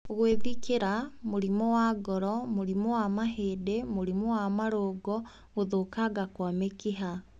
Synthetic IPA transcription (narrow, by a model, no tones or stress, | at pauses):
oɣweðikeɾamoɾimɔwaɡɔɾɔmoɾimɔwamaɦeːdemoɾimɔwamaɾoːɡɔ | ɣoðokaɡakwamekiɦa